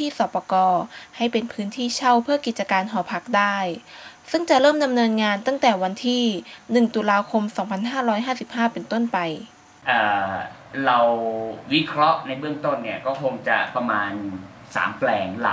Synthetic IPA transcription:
t̪ʰiː˥˩sɔː˨˩pɔː˧kɔː˧ha˥˩jpe˧npʰɯː˦˥nt̪ʰiː˥˩t͡ɕʰa˥˩wpʰɯ˥˩ɐki˨˩t̪̚t͡ɕa˧kaː˧nɦɔː˩˦pʰa˦˥k̚daː˥˩jsɯ˥˩ŋt͡ɕa˨˩ʔɾɤː˥˩mda˧mnɤː˧nŋaː˧nt̪a˥˩ŋt̪ɛː˨˩wa˧nt̪ʰiː˥˩nɯ˨˩ŋt̪u˧laː˧kʰo˧msɔː˩˦ŋpʰa˧nɦaː˥˩ɾɔː˦˥jɦaː˥˩si˨˩p̚haː˥˩pe˧nt̪o˥˩npa˧j | ʔaː˨˩ | ɾa˧wwi˦˥kʰɾɔ˦˥ʔna˧jbɯ˥˩əŋt̪o˥˩nːi˦˥˩ɐkɔː˥˩kʰo˧ŋt͡ɕa̰˨˩pɾa˧maː˧nsa̰ː˩˦mplɛː˧ŋla̰˨˩

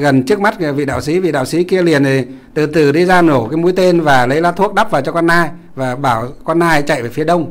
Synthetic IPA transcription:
ɣə˨˩nt͡ɕɨ˦˥ək̚ma˦˥t̚vḭ˧˨ɗa̰ː˧˨wsi˨˦vḭ˧˨ɗaː˧˨˩wsi˨˦ki˧əli˨˩ənʰi˨˩ | t̪ɨ˨˩t̪ɨ˨˩ɗi˧zaː˧nno˧˩kaː˨˦jmu˨˦jt̪e˧nvaː˨˩lə˨˦jlaː˨˦˥t̪ʰu˦˥ək̚ɗa˦˥p̚vaː˨˩wt͡ɕɔ˧kɔ˧nʔaː˧j | vaː˨˩ɓaː˧˩wkɔ˧nʔaː˧jt͡ɕa̰˧˨jvaː˨˩fi˨˦əɗə˧wŋ͡m

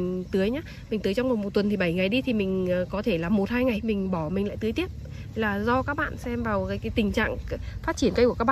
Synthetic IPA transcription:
ŋt̪ɨ˨˦əjɲaː˨˦ | mï˨˩ŋ̟t̪ɨ˨˦jt͡ɕɔ˧wŋ͡mmo˨˩t̚mo˨˩t̚t̪ə˨˩nt̪ʰi˨˩ɓa˧˩jŋa˨˩jɗi˧t̪ʰi˨˩mï˨˩ŋ̟ː˨˩kɔ˨˦t̪ʰe˧˩laː˨˩mo˨˩t̚haː˧jŋa˨˩jmï˨˩ŋ̟ɓɔ˧˩mï˨˩ŋ̟la̰ː˧˨jt̪ɨ˨˦jt̪i˦˥əp̚ | hjlaː˨˩zɔ˧kaː˦˥k̚ɓa̰ː˧˨nsɛ˧mvaː˨˩wkaː˨˦jkaː˨˦jt̪ï˨˩ŋ̟t͡ɕa̰ː˧˨ŋfaː˦˥t̚t͡ɕi˧˩ənkə˧jku˧˩əkaː˦˥ɓ̰aː˧

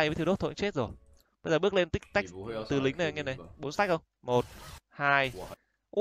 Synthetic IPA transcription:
jt̪ʰo˦˥t̪̚ʰːo̰˧˨˦ŋt͡ɕe˦˥t̚zo˨˩j | ɓə˧jzəː˨˩ɓɨ˦˥ək̚le˧nt̪ï˦˥k̟̚t̪a˦˥k̚t̪ɨ˨˩lï˨˦ŋ̟nə˨˩˨ŋɛ˧ne˨˩jɓo˨˦nsa˦˥k̚xə˧wŋ͡m | mo˨˩t̚haː˧j | ʔ

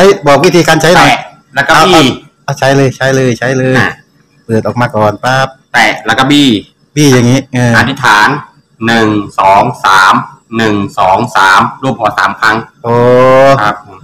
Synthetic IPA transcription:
a˦˥jbɔː˨˩k̚wi˦˥t̪ʰiː˧kaː˧nt͡ɕʰa˦˥jlɔ˧˨ɛ˨˩ | la˧kːa˧˥ɔ˧˩ | ʔa˧˩t͡ɕʰa˦˥jlɤː˧jt͡ɕʰa˦˥jlɤː˧jt͡ɕʰa˦˥jlɤː˧j | pɤ˨˩ət̪̚ɔː˨˩maː˧kɔː˨˩npaː˦˧˥p̚t̪ɛː˨˩la˦˧˩ka˧˩biː˧˥˩ | biː˥˩ja˨˩ŋːiː˦˥ʔɤː˧a˧t̪ʰi˦˥t̪ʰaː˩˦nː | ɯ˨˩ŋsɔː˩˦ŋsaː˩˦mnɯ˨˩ŋsɔː˩˦ŋsaː˩˦mɾu˥˩əmkʰɔː˧˩sa̰ː˩˦mkʰa˦˥ŋʔoː˧˩a˦˧˥pʰ

